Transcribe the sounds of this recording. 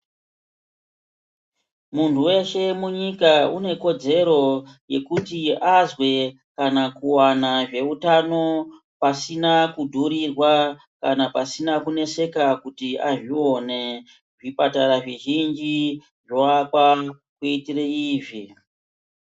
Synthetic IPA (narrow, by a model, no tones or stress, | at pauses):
muntʰuwe̞ʃe̞muɲikaṵne̞ko̞d͡ze̞ɾo̞je̞kutiazwe̞ | kanakuwanaʐe̞utano̞ | pasinakudʱuɾirwa | kanapasinakune̞se̞kakutia̰ʐio̞ne̞ | ʐipataɾaʐiʒind͡ʒi | ʐwakwa | kuitireiːʐi